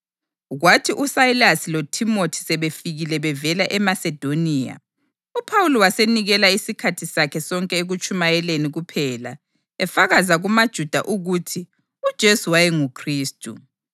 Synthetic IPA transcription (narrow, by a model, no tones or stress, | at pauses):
ɣwatʰiʔusailasilotʰimotʰi̥sɛβefiɣilɛβɛvɛlaʔɛmasɛd̥ʱoniːja̰ | upʰawulɔwaseniɣɛlaisikʰatʰisakʰɛsɔŋkʼɛeɣut͡ʃʼumajɛleniɣupʰɛːla̰ | ɛfaɣazaɣumad̥ʒ̥ʱud̥ʱa̰ʔuɣutʰi | ud̥ʒ̥ʱesuwajɛŋukʰriːstʼṵ